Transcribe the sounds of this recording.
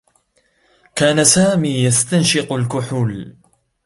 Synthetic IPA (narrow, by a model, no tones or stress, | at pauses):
kaːnasaːmiːjast̪anʃɪqʊlkʊħuːl